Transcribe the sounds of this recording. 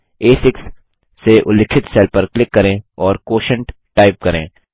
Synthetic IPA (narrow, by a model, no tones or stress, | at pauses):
eːsɪksː | eʔʊlɪkʰɪt̪sɛːlpɐɾklɪkːɐɾẽːɔːɾkoːʃə̃ɳʈ | ʈaːɪp̚kɐɾḛ̃ː